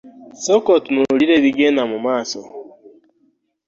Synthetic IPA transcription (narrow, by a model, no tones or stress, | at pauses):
sɔkɔtnoɾiɾeɾiɡenamʊmaːsɔ